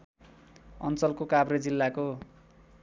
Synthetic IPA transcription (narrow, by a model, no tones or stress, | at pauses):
ʌ̰nt͡sʌlkokabɾed͡zilːako